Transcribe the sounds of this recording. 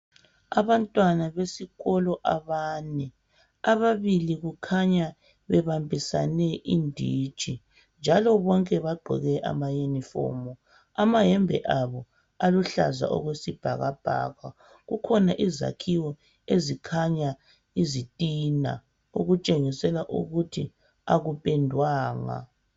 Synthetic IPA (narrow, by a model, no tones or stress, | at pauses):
aβantʼwanaβesiɣɔlɔʔaβaːnɛ | aβaβiliɣukʰaɲa | βɛβambʱisa̰nɛʔindʱiːd̥ʒ̥ʱi | nd͡ʒʱalɔβɔŋkʼɛβaɡ͡ǃʱɛ̰ɣɛʔa̰majunifɔ̰ːmɔ | amaɦɛmbʱɛ̰ʔaβɔ | aluɬa̰za̰ʔɔ̰ɣwesib̥ʱaɣab̥ʱa̰ːɣwa | ɣukʰɔnaʔiza̰kʰiwɔ | ezikʰaɲa | izitʼina̰ | uɣut͡ʃʼeŋisɛlaʔṵɣutʰi | aɣupʼɛndʱwaːŋa̰